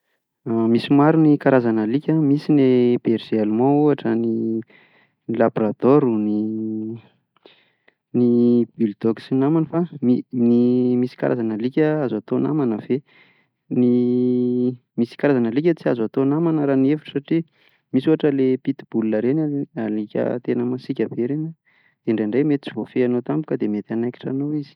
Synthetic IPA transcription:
amisimaɾunikaɾazanəlikʲəmisineb̥eɾzealumãuaʈ͡ʂəni | ilaboɾat̪oɾuni | nibild̪oksinamanəfaminimisi̥ka̰ɾa̰zanəlikʲəazat̪ona̰manəve | ni | misi̥kaɾazanəlik̬ʲət͡siazat̪onamanəɾaniefu̥ʈ͡ʂə̥saʈ͡ʂi | misuaʈ͡ʂəlepit̪i̥b̥ulunəɾenaalikʲə̰t̪enəmasikʲəbeɾena | d̪̥eɳɖ͡ʐeɳɖ͡ʐejmet̪i̥t͡sivofeanot̪ambu̥kəd̪emet̪anajki̥ʈ͡ʂa̰nowizi̥

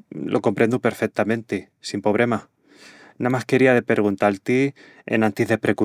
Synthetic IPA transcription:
lʔo̞̰ko̞mpɾe̞nd̪upe̞ɾfek̚t̪amẽ̞nt̪i | simpo̞βɾe̞ma | namaske̞ɾiaðepeɾɣ̞unt̪alt̪i | ḛnant̪iðepɾe̞ku

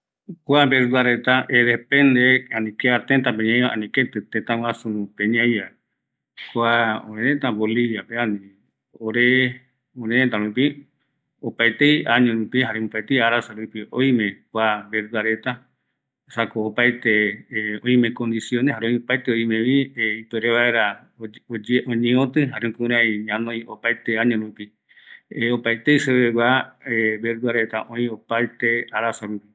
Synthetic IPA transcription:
kʷabeɾɨaɾet̪aʔeðepend̪eanĩkeaɾt̪et̪apeɲãjβaʔa̰nĩket̪ɨt̪ẽt̪awasunũpeɲãja | kʷaõ̰ɾeɾẽt̪aboliβjapeanĩ | oɾe | õɾẽẽt̪aɾũpi | opajt̪ejaɲũɾũpiɦaɾemũpajt̪ejaɾasaɾupiʔojmẽkʷabeɾd̪uaɾet̪a | sakoːpajt̪eoj̃mẽkõ̞nd̪isjõnehaɾõj̃opajt̪eoj̃mẽʋieipeɾeβaeɾa | od͡ʒʔõɲẽõt̪ɨɦaɾẽkũɾ̃ãjɲãnõjopajt̪eaɲõɾupi | opajt̪ejseβeɡʷaebeɾd̪uaɾet̪a̰ʔõj̃opajt̪eaɾasaɾupi

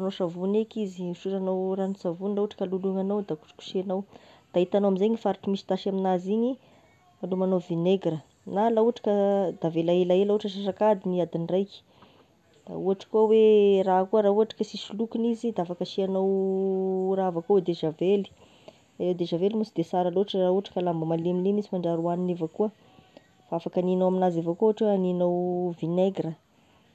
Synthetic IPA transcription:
noʃavunekiziuʃuɾanawranisavunlauaʈ͡ʂə̥kaluluŋanawd̪aku̥ʈ͡ʂi̥ku̥ʃianaw | d̪̥ait̪anoamizeɲifaɾiʈ͡ʂimisi̥t̪aʃaminaziɲi | alumanovineɡɾə | nalauaʈ͡ʂḁkəd̪̥avelaelaelauaʈ͡ʂəʃaʂakad̪iniad̪inrajki̥ | d̪̥a̰uaʈ͡ʂə̥kuawerakuəɾauaʈ͡ʂḁkəsisulukinizid̪aafakəʃianow | raavakowed̪eʒaveli̥ | alewd̪eʒavelimusid̪esaɾaloaʈ͡ʂərauaʈ͡ʂə̥kəlambamalemilemisimaɳɖ͡ʐaɾuaninevakuə | faafakaninowaminazevakoɦaʈ͡ʂweaninowvineɡɾə

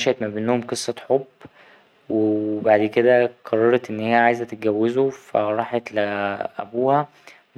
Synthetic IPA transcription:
ʃæʔt̪mæbenːhomqɨsˤːɑħobː | webaʕd̪ked̪æqʰɑrˤːɑɾˤɑt̪ʔenːhejæʕaːjezæt̪ːet̪̚ɡæwːezofæ̰ɾˤɑːħet̪leʔæ̰buːhæ

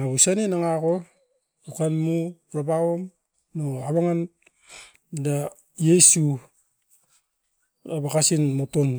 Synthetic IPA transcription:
ŋaβusanenaŋako | ukanmu | ɾabaom | noaβaŋan | da | jesu | aβakasinmoton

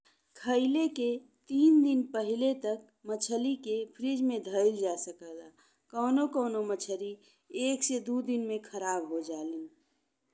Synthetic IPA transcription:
kʰəɪleke | t̪iːnd̪ɪnpəɦɪlet̪ək̚ | mət͡ʃʰəlikepʰɾid͡ʒmẽd̪ʱəɪld͡ʒasəkəd̪a | kəʊnokəʊnomət͡ʃʰəɾi | eːksed̪ud̪inmẽkʰəɾaːbɦod͡ʒaːlĩː

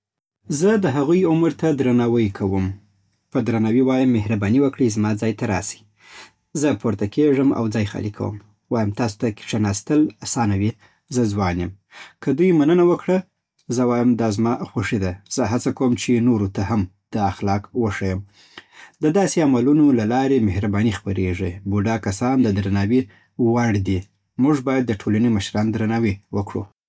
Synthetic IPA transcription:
zəd̪əɦaɣujʊməɾt̪ad̪ɾanɑwəjkʰawəm | pəd̪ɾanawiwɑjəmːehɾabɑniwəkɽizmɑd͡zɑjt̪aɾɑ̰si̥ | zəpoɾt̪akeʐəma̰wd͡zɑjxɑ̰likʰa̰wə̰m | wɑjəmt̪ɑso̥t̪aki̥ʈ͡ʂanɑst̪əlasɑnawi | zəzwɑnjəm | kəd̪ujmanənawəkɽa | zəwɑjamd̪ɑzmɑxwaʂid̪az̥əɦat͡sakawəmt͡ʃenoɾot̪aham | d̪̥əaxlɑkwəʂajəm | d̪əd̪ɑseamalunolalɑɾemehɾabɑnixpaɾeʐibuɖakasɑnd̪əd̪ɾanɑwe | waɽd̪i | muʐbɑjad̪ːəʈʰolaneməʃɾɑnd̪ɾanɑwewəkɽṵ

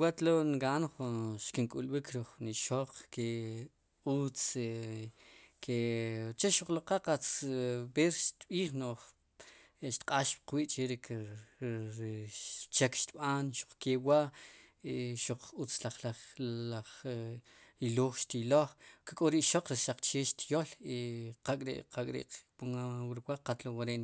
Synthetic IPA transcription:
wat̪loŋɡanχunʃkiŋkʼulɓikʰɾuχuniʃoq͡χke | ut͡se | kʰet͡ʃeʃuq͡χlaqaqat͡sbeɾʃt̪ɓiːχnoχ | ʃt̪qʼaʃp̚qwiːʔt͡ʃʼeɾek | ɾt͡ʃekʃt̪ɓanʃu̥q͡χkewaʔeʃuq͡χut͡slaχlaχaχ | iloːχʃt̪iloχkakʼoɾiʔʃoq͡χɾiʃaq͡χt͡ʃeʃt̪joliqakʼɾḛʔqʰakʼɾḛʔpuŋawɾiwaqat̪lowaɾeʔn

